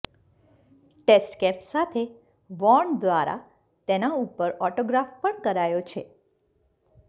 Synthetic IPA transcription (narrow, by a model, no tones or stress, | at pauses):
ʈesʈkɛpsat̪ʰe | ʋɔɾɳd̪ʋaɾa̰ | t̪enaupəɾɔʈoɡɾafpəɳkəɾajot͡ʃʰe